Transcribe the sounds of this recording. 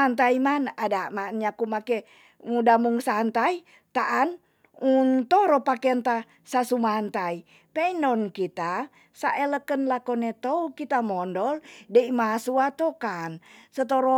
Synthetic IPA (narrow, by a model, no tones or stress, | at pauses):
ant̪aimanadamanɲakumakɛ | mudamuŋsant̪ai | t̪aʔan | unt̪ɔɾɔpakɛnt̪a | sasumant̪ai | pɛinɔnkit̪a | saʔɛləkənlakɔnɛt̪ɔukit̪amɔndɔldɛimasuat̪ɔkansət̪̬oɾɔ